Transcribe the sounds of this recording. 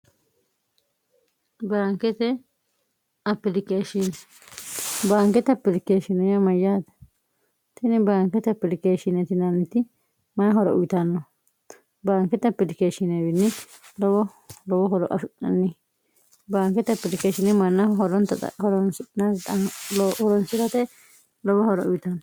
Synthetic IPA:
baːŋkɛt̪ɛ | ɐpːɪlɪkeːʃinɛ | baːŋkɛt̪ɐpːɪlɪkeːʃɪnɛjɐmɐjːaːd̪ɐ̥ | t̪ɪnɪbaːŋkɛt̪ɐpːɪlɪkeːʃɪnɛt̪ɪnɐnːɪt̪ɪ | mɐnɦɔɾɔ̰ʔʊjɪt̪ɐnːɔ | baːŋkɛt̪ɐpːɪlɪkeːʃɪnɛbɪnːɪlɔwɔ | lɔwɔhɔɾɔ̰ʔɐ̰ʃʊʔɐ̰nːɪ | baːŋkɛt̪ɐpːɪlɪkeʃɪnɛmɐnːɐɦɔɾɔnt̪ɐ̰hɔɾɔnnɐt̪ɐlɔhɔɾɔnsɪɾɐt̪ɛ | lɔwɔhɔɾɔ̰ʊjt̪ɐnːɔ

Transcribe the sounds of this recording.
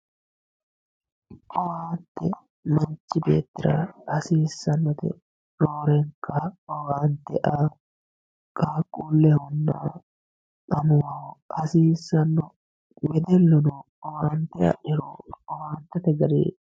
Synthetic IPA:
ʔɔwaːnt̪ːɛ | mɐnt͡ʃːɪbeːt̪ːɪɾaːɐsiːsːɐnːɔt̪ɛ̰ | ɾoːɾɛŋkːɐɔwaːnt̪ːɛʔaː | kʼaːkʼːuːlːɛhɔnːa̰ː | kʼɐmʊwɐwʔɐsiːsːɐnːɔ | wɛd̪ɛlːʊnɔ | ɔwaːnt̪ːɛɐ̰ʔɪɾo̰ːɔwaːnt̪ːɛt̪ɛɡɐɾḛː

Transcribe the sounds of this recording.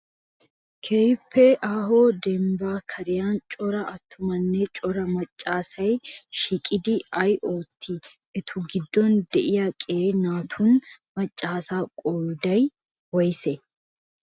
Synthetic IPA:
kʰɛjpʰːɛʔaːɦoːd̪ɛmbaːkʰɐɾɪjaːnt͡ʃʼɔɾɐʔɐt̪ːʊmɐnːɛt͡ʃʼɔɾɐmɐt͡ʃʼːaːsɐjʃɪkʼɪd̪ɪʔɐjʔoːt̪ʰːi | ɛt̪ʰʊɡɪd̪ːɔnd̪ɛʔɪjɐkʼeːɾnaːt̪ʰʊnmɐt͡ʃʼːaːsaːkʼoːjd̪ɐj | wɔjsɛ

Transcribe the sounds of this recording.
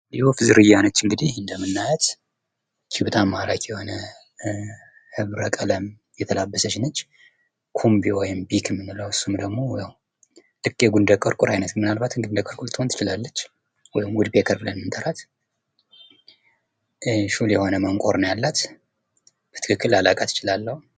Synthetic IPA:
jɛhofɨzɨɾɨjːanət͡ʃːɨŋɡɨd̪ihɨnd̪əmɨnːajɛt̪ | kʰiwt̪ʰʼamaɾakjɛho̞nə | hɨβɾəkʼələm | jɛt̪ʰəlabːəsəʃɪnət͡ʃː | kʰumbiwɔjɪmbikʰɨmːɨnːɨləwɨsːumd̪əɡmo̞jaw | lɨkːjɛɡund̪əkʼəɾkʼuɾajnət̪mːɨnalbat̪ɨŋɡund̪əkʼəɾkʼult̪ʰʼont̪ʰɨt͡ʃɪlalːət͡ʃː | wɔjɪmwʊd̪bekʰəɾbɨlənmɨnt̪ʰʼəɾat̪ | ʃuljɛho̞nəməŋkʼoɾnəjalːat̪ | b̥ət̪ʰɨ̥kʰɨkːɨlalakʼat̪ɨ̥t͡ʃɪlalːəhu

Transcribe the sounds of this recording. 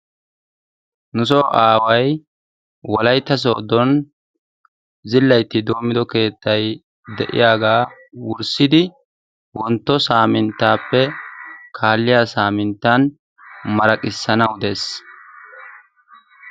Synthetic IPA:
nʊs̬ɔʔaːwɐj | wɔlɐjt̪ːɐs̬oːd̪ɔn | zɪlːɐjt̪ːɪd̪o̞ːmːɪd̪ɔke̞ːt̪ːɐj | d̪ɛ̰ʔɪ̰jaːɡaː | wʊɾsɪd̪ɪ | wɔnt̪ːɔsaːmɪnt̪ːaːpːɛkʰaːlːɪjaːsaːmɪnt̪ːɐn | mɐɾɐkʼɪsːɐnɐwd̪eːs

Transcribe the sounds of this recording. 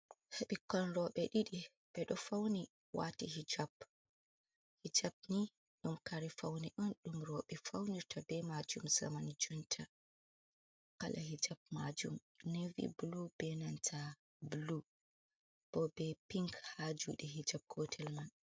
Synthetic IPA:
heɓikːɔnɾɔɓɛɗiɗi | ɓ̥ɛɗɔfawni | wa̰tihid͡ʒab | hid͡ʒab̚ni | ɗumkaɾifawniʔɔnɗumɾɔɓɛfawniɾtʰabɛmad͡ʒumza̰manid͡ʒuntʰa | kalʔaɦid͡ʒab̚ma̰d͡ʒṵm | nevḭbulub̥ɛnantʰa | bulu | b̥ɔbɛpiŋkhad͡ʒṵɗɛɦid͡ʒab̚ɡɔtʰɛlman

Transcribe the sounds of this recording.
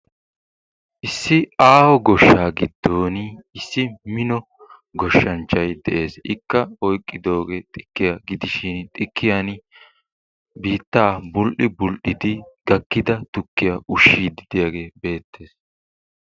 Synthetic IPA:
ʔɪsːɪaːhɔɡɔʃːaːɡɪd̪ːoːnɪsːɪmɪnɔ | ɡɔʃːɐnt͡ʃːɐjd̪ɛʔe̞ːsɪkːɐɔjkʼːɪd̪o̞ːɡet̪ʼɪ̥kːɪjaɡɪd̪ɪʃɪnt̪ʼɪkʰːɪjan | biːt̪ːaːbʊlʔɪbʊlʔɪd̪ɪɡɐkːɪd̪ɐt̪ʊkːɪjaʔʊʃːiːd̪ɪd̪ɪjaːɡe̞ːbe̞ːt̪ːe̞ːs

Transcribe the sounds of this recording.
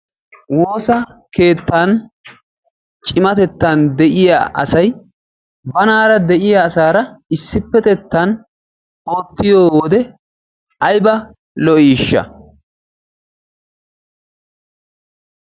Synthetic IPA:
woːsɐke̞ːt̪ːɐn | t͡ʃʼɪmɐt̪ɛt̪ːɐnd̪ɛʔɪja̰ːʔɐ̰sɐj | bɐnaːɾɐd̪ɛʔɪjaːsaːɾɐɪsːɪpːɛt̪ɛt̪ːɐn | oːt̪ːɪjoːwɔd̪ɛ | ʔɐjbɐ | lɔʔiːʃːɐ̰

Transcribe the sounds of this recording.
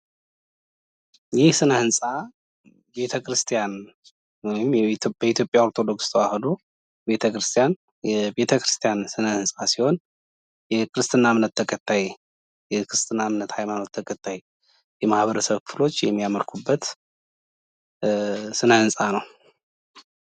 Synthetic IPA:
jɪhsɨnəhɨnsʼa | be̞t̪ʰəkʰɾɨst̪ʰijan | wɔjɪmjbəit̪ʰjo̞pʼːjaoɾt̪ʰo̞d̪o̞kst̪ʰwahlo | be̞t̪ʰəkɾɨst̪ʰijan | jɛbe̞t̪ʰəkɾɨst̪ʰijansɨnəhɨnsʼasiho̞n | jɛkʰɨɾɨst̪ʰʼɨnamnət̪ːʰəkʼət̪ʰːaj | jɛkʰɾɨst̪ʰʼɨnamnət̪hajmano̞t̪ʰːəkʼət̪ʰːaj | jɛmahβəɾəsəβkfɨlo̞t͡ʃːjɛmːijaməlkʰubːət̪ | sɨnəhɨnsʼanəw

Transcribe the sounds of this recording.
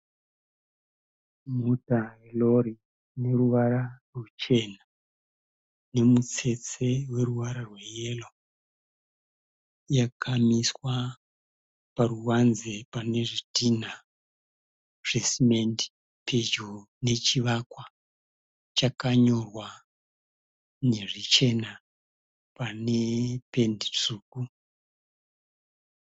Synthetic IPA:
mutaɦeloɾi | ne̞ruʋaɾarut͡ʃe̞na | ne̞mut͡se̞t͡se̞we̞ruʋaɾarweje̞lo | jakʰamiswa | paruwanzepane̞ʐitina | ʐ̥e̞simendi̥ | pʰed͡ʒo | ne̞t͡ʃiʋakwa | t͡ʃakaɲo̞rwa | ne̞ʐit͡ʃe̞na | pane̞pe̞ndit͡suːku

